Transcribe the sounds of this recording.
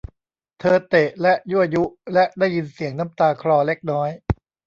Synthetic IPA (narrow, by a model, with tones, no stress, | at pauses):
t̪ʰɤː˧t̪e˨˩ʔlɛ˦˥ʔju˥˩ʔa˨˩ju˦˥lɛ˦˥ʔdaː˥˩jːi˧nsi˨˩˦əŋna˦˥mt̪aː˧kʰɾɔː˧le˦˥k̚nɔː˦˥j